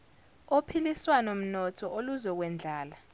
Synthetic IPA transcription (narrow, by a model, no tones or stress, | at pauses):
opʰiliswanom̩nɔtʰɔʔoluzɔk̬wɛnd͡ɮʱaːla